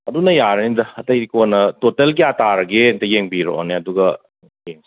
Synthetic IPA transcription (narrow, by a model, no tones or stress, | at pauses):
ɐdunɐjaɾɐnidɐɐtɐjikonɐtotelkiataɾɐɡentɐjeŋbiɾo̰o̰neɐduɡɐ | jeŋ